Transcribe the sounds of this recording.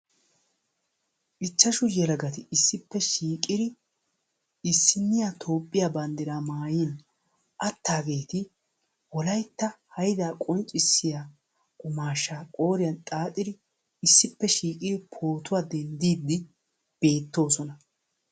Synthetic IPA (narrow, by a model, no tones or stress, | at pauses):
ʔɪt͡ʃːɐʃʊjɛlɐɡɐt̪ɪʔɪsːɪpːɛʃiːkʼːɪd̪ɪ | ɪsːɪnːɪjat̪ʰo̞ːpʼːɪjaːbɐnd̪ɪɾaːmaːjɪn | ʔɐt̪ːaːɡe̞ːt̪ɪ | wɔlɐjt̪ːɐhɐjd̪aːkʼɔnt͡ʃʼːɪsːɪjaː | kʼʊmaːʃːaːkʼo̞ːɾɪjɐnt̪ʼaːt̪ʼːɪd̪ɪ | ɪsːɪpːɛʃiːkʼɪd̪ɪpʰo̞ːt̪ʊwaːd̪ɛnd̪iːd̪ːɪ | b̥e̞ːt̪ːo̞ːsɔnɐ